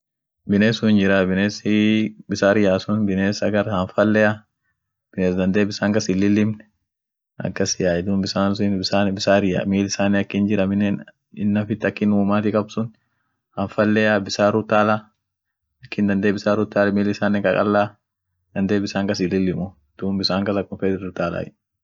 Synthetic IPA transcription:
bɪneːsʊhɪnd͡ʒɪɾabɪneːsɪbɪsaːɾɪjaːsʊnbɪneːsɐɡɐɾhɐnfɐlːɛja | b̥ɪneːsd̪ɐnd̪eːbɪsaːŋkɐsɪlːɪlːɪmn | ʔɐ̰kːɐsɪjaːɪd̪uːnbɪsaːnsɪnbɪsaːnbɪsaːɾɪja̰ːmiːlɪsaːnɛɐkːɪnd͡ʒɪɾɐmɪnɛn | ɪnːɐfɪt̪ːɐkːɪnuːmaːt̪ɪkʼɐbsʊn | hɐnfɐlːɛjabɪsaːɾʊt̪ːaːla | ɐkːɪnd̪ɐnd̪eːbɪsaːɾʊt̪ːaːlmiːlɪsaːnːɛkʼɐkʼɐ̰lːaː | d̪̥ɐnd̪eːbɪsaːŋkɐsɪlːɪlːɪmʊ | d̪̥uːmbɪsaːŋkɐsɐkːʊnfeːd̪ɪɾɾʊt̪aːla̰ː

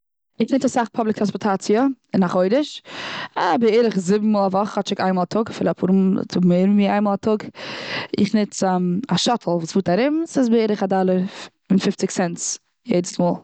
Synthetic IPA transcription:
ɪχnɪt͡sasaχpʰɔblˠɪk̚tʰɾanspɔɾtʰat͡siəɪnaχoɪdɪʃ | bɪeːɾɪχzɪbm̩ːuːlˠavɔχhɔtt͡ʃɪka̰ɪnmɔlˠatʰʊɡafɪːlˠapʰṵːɾmt͡sʊmeɪɾm̩miaɪnmɔlˠatʰʊɡ | ɪ̰χnɪt͡sːmaʃɔtʰl̩ˠvuːsv̥uːtaɾɪmsɪs̬bɪeːɾəχadalˠəɾ | ɪnfɪft͡sɪksɛnt | jɛ̰ɪdəsmuːlˠ

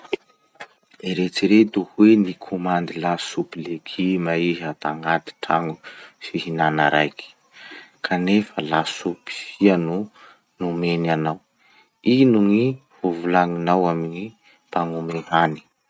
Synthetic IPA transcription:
iɾet͡siɾet̪uhwenikʰomand̪ilasupileɡʰimaiɦat̪aŋɡat̪i̥ʈ͡ʂaŋusihinanaɾajki̥ | kʰanefəlasupi̥sianu | numenanaw | inuŋi | huvulaŋinawamini | paŋumeɦani̥

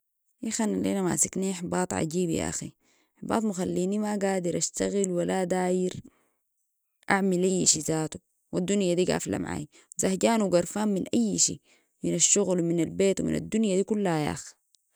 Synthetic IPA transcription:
ʔixanalʔḛːnamasakniːħbɑːt̪ˤʕa̰ɟiːbja̰ʔa̰xḭ | ħbɑ̰ːt̪ˤmuxalːiːnimaɡaːd̪iɾʔaʃt̪aɣilwalad̪aːjiɾ | ʔaʕmilʔajːiʃizaːt̪u̥ | wad̪ːunjad̪iːɡa̰ːfla̰maʕa̰ːj | wzahɟaːnuwɡaɾˤfaːmminʔajːʃḭː | minaʃːuɣlwminalbeːt̪wḭmḭna̰d̪ːunjad̪iːkulːhaja̰ːx

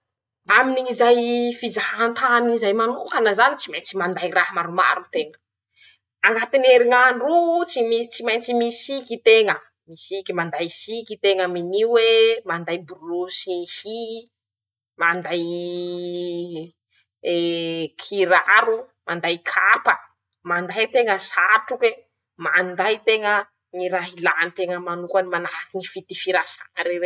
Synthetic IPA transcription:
aminiɲizajfizahant̪anizajmanukanəzanit͡simajnt͡simand̪ajrahmaɾuma̰ɾunt̪eŋə̥ | aŋɡat̪ineɾiŋaɳrut͡simit͡simajnt͡simisikit̪eŋə | misikimand̪ajsikit̪eŋəminiwemand̪ajbuɾusihi | mand̪aj | ekʰiɾaɾu | mand̪ajkʰapə | mand̪ajt̪eŋəsaʈ͡ʂukwe | mand̪ajt̪eŋə | niɾaɦilanit̪eŋəmanukanimanafinifit̪ifiɾasa̰ŋəɾewe

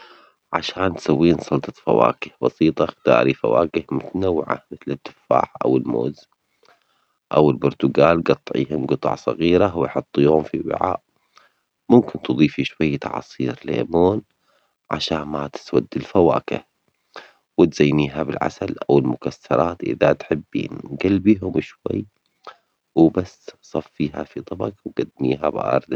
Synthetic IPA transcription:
ʕaʃaːnt̪sawːiːnsˤɑlt̪ˤɑfa̰wa̰ːkɪhbɑsiːt̪ˤɑxt̪ɑ̰ːɾifawaːkɪhmʊt̪anawːʕa̰mɪθlɪd̪ːɪfa̰ːʕʔa̰wɪlmo̰ːz | ʔawɪlbʊɾt̪ʊɡaːlɡɑt̪ˤːʕḭːhʊmɡʊt̪ˤɑ̰ʕsˤɑɣiːɾawɪjħɑt̪ˤːijohʊmfiwɪ̰ʕa̰ːʔ | mʊmkɪnt̪ɨðˤiːfiʃwajːt̪ɑ̰ʕɑ̰sˤiːɾlḛːmoːn | ʕa̰ʃaːnmat̪ɪ̥swad̪ːɪlfawa̰ːkɪ̰h | wɪt̪z̥ajːniːɦabɪlʕa̰salʔawɪlmʊkasːɑɾˤɑːt̪ʔɪ̰ðat̪ħɪbːḭnɡalbiːɦʊmʃwa̰jː | wbasːsˤɑfːiːɦa̰fit̪ˤɑbɑqwɡ̥ad̪ːmḭːɦabʔɑ̰ɾˤd̪

